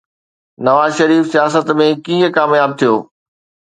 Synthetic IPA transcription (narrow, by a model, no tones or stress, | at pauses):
nɐʋaːzʃɐɾiːfsijaːs̬ət̪mẽkĩːə̃kaːmjaːb̚t̪ʰijoː